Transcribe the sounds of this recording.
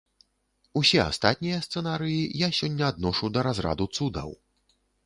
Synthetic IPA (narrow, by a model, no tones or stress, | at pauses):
usʲɛa̰st̪at̪ʲnʲijɐst̪sɛnaɾɨjijasʲɔnʲːɐːd̪nɔʂud̪ɐɾazɾa̰d̪ut̪sud̪ɐ̰w